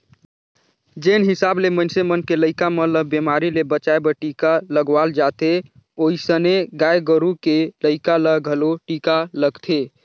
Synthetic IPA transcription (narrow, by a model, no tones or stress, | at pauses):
d͡ʒenɦisablemənsemənkeləɪkamələbemaɾilebət͡ʃaebəʈikaləɡʋald͡ʒat̪e | oisəneɡajɡəɾukeləɪkaləɡʱəloʈikaləɡt̪ʰe